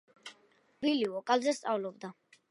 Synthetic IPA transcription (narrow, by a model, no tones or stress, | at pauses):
viliɔkʼalzɛst̪sʼavlɔbd̪a